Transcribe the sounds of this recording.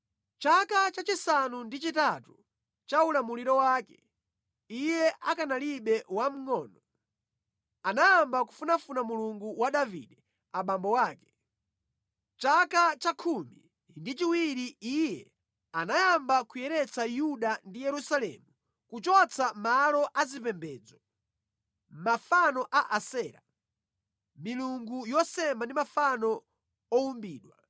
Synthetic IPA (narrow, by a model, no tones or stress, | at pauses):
t͡ʃakat͡ʃat͡ʃisanundit͡ʃitatu | t͡ʃaulamuliɾɔwaːkɛ | ijɛʔakanaliɓɛwam̩ŋɔːnɔ | anajambaku̥funafunamuluŋɡuwaɗavḭɗɛ | aɓambɔwaːkɛ̥ | t͡ʃakat͡ʃakʰumḭ | ndit͡ʃiwiɾiijɛ̰ | anajambakujɛɾɛt͡sajuɗandijɛɾusalɛ̰mu | kut͡ʃɔt͡sʰamalɔʔazipɛmbɛːd͡zɔ | mafanɔʔaʔasɛːɾa̰ | miluŋɡujɔsɛmandimafanɔ | ɔumbiːɗwa